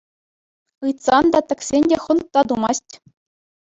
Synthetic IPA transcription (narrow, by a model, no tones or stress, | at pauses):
ɯjt̪sɑnd̪ɑt̪ɘ̆ksʲenʲdʲeχɤ̆nt̪ːɑd̪umɑsʲtʲ